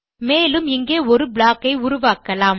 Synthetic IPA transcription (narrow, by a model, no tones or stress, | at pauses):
meːlɯmɪŋɡeːɔɾɯbɭaːkɐɪʊɾʊʋaːkɐlaːm